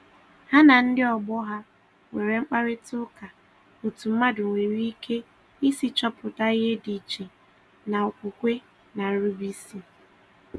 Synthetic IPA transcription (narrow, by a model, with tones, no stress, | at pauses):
ha˦na˨n̩˦dɪ˦ɔ˨ɡ͡bɔ˦ɦa˦ | ŋe˨ɾe˨ŋ͡m̩˦k͡pa˦ɾɪ˦tʊ˦ka˨ | ʊ˨tu˨m̩˦ma˦dʊ˨ŋʷe˨ɾi˦i˦kʰe˦ | i˦si˦t͡ʃɔ˦pʊ˨ta˦i˦ɦe˦di˨t͡ʃi˨ | na˨ʊ˨kʷu˨kʷe˦ | na˨ɾu˦bi˦si˨